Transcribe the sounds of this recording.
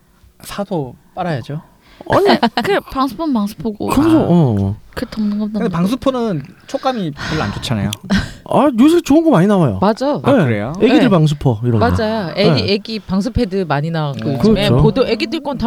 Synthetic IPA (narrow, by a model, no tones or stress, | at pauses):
sʰadop͈aɾajad͡ʑo | a̰ɲikɯɯpaŋsʰɯ̥pʰʌnpaŋsʰɯ̥pʰoɡo̰kɯɯmsʰoʌkɯt͈ʌmnɯnɡʌdɯndepaŋs̬ʰɯpʰonɯnt͡ɕʰok͈amipoɭa̰nt͡ɕʰot͡ɕʰana̰joajus̬ʰɯɡit͡ɕoɯnɡʌmaɲinawajo̰mad͡ʑajoeɯɾḛjoeɡiɯɭpaŋs̬ʰupʰʌiɾʌnmad͡ʑajoeieɡipaŋs̬ʰɯpʰedɯmaɲinawɡokɯiomeopodoʔeɡidɯɭk͈onta